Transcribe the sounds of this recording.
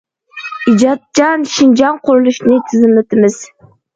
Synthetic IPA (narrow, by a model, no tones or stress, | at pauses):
ɪd͡ʒɑt̪̚t͡ʃɑnʃɪnd͡ʒɑnqʰʊɾɨlˠɪʃnɪt̪ʰɪzɪmlɪt̪ʰɪmɪz̥